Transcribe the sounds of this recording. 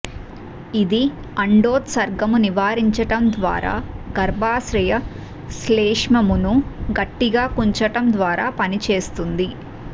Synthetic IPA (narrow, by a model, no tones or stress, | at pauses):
id̪i | ɐɳɖoːt̪sɐɾɡɐmuniʋaːɾiɲt͡ʃɐʈɐmd̪ʋa̰ːɾa̰ːɡɐɾbʱaːsɾɐjɐ | sleːʂmɐmunuɡɐʈːiɡaːkuɲt͡ʃɐʈɐmd̪ʋaːɾaːpɐnit͡ʃe̞ːst̪und̪i